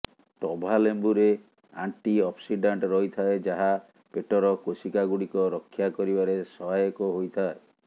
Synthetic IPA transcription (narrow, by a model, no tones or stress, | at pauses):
ʈɔbʱalembuɾe | a̰ɳʈiɔpsiɖaɳʈɾɔɦjt̪ʰaed͡ʒaɦa | peʈɔɾɔkosikaɡuɽikɔɾɔkʰːjakɔɾibaɾesɔɦajɔkɔɦojt̪ʰae